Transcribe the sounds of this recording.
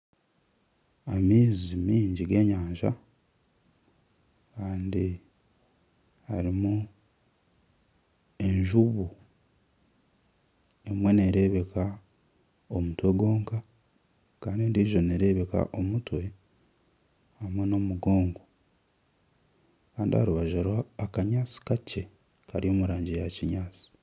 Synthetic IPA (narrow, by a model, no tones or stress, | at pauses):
amiːzimiːɲɟiɡe̞ːɲaːɲʒa̰ | kaːndi | haɾimu | e̞ɲʒuβu | emwe̞neɾe̞ːβe̞ka | o̞mutwe̞ɡo̞ːŋka | kaːndiendiʒo̞neɾe̞βe̞ka̰ʔo̞mutwe̞ | hamweno̞muɡo̞ːŋɡo | kaːndiha̰ɾuβaʒaɾwaːkaɲaːt͡si̥kace̞ | kaɾijo̞ːmuɾaːɲɟijaciɲaːt͡si̥